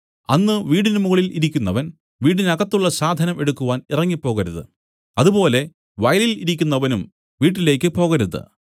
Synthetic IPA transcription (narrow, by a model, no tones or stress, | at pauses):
ɐnːɨʋiːɽinɨmuɣɐɭiliɾikʲːunːɐʋɐn | ʋiːɽinɐɣɐt̪ːuɭːɐsaːd̪ʱɐnɐme̞ɽukːuʋaːnirɐŋːipːo̞ːɣɐɾuðɨ̰ | ɐðupo̞ːle̞ | ʋɐjɐliliɾikʲːunːɐʋɐnum | ʋiːʈ̬ːile̞ːkːɨpo̞ːɣɐɾuðɨ̰